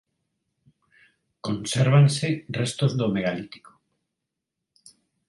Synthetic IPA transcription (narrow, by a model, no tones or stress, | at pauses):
ko̞nseɾβ̞anserest̪ozðomeɣ̞alit̪i̥ko